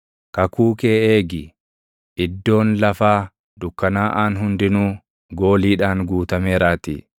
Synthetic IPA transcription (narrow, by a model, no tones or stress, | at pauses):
kɐkuːke̞ːeːɡɪ | ʔɪd̪ːo̞ːnlɐfaː | d̪ʊkːɐnaːʔaːnɦʊnd̪ɪnuː | ɡo̞ːliːᶑaːnɡuːt̪ɐmeːɾaːt̪ḭː